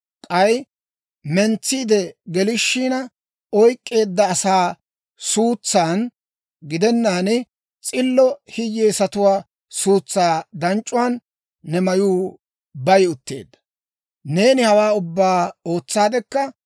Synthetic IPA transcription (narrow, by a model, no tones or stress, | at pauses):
kʼɐj | mɛnt͡sːɪːd̪ɛɡɛlɪʃːiːnɐ | ɔjkʼːe̞ːd̪ːɐːsaː | suːt͡sːaːn | ɡɪd̪ɛnːaːnɪ | t͡sʼɪlːɔhɪjːeːsɐt̪ʊwaː | suːt͡sːaːd̪ɐnt͡ʃʼːʊwaːnː | ɛmɐjuː | bɐjʊt̪ːe̞̰ːd̪ːɐ̥ | ne̞ːnɪhɐwaːʊbːaːoːt͡sːaːd̪ɛkːɐ